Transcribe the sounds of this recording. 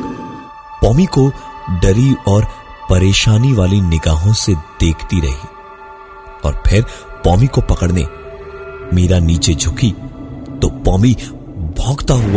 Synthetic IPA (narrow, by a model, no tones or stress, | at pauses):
pɔːmikoɖɐɾiɔːɾ | pɐɾeːʃaːniʋaːlinɪɡaːɦõsed̪̥eːkʰt̪iɾɐ̰ɦi | ɔːɾpʰɪɾpɔːmikopɐkəɽnḛ | meːɾaniːt͡ʃed͡ʒʱʊkit̪opɔːmi | bʱɔːɡt̪aɦua